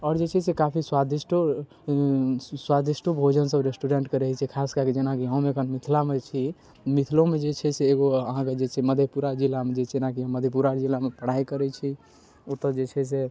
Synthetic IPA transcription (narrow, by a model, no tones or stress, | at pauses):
ɔːɾd͡ʒet͡ʃʰɛsekapʰiswad̪isʈo | swad̪isʈobʱod͡ʒənsəbɾesʈuɾeɳʈkeɾəɦit͡ʃʰɛkʰaskaked͡ʒenakiɦə̃mekʰənmit̪ʰlamet͡ʃʰi | mit̪ʰlõmed͡ʒet͡ʃʰɛseːɡoəɦãked͡ʒet͡ʃʰɛməd̪ʱjepuɾad͡ʒilːamed͡ʒet͡ʃʰɛnakiɦə̃mːəd̪ʱjepuɾad͡ʒilːamepəɽ̤ajkəɾɛt͡ʃʰi | ot̪əd͡ʒet͡ʃʰɛs̬e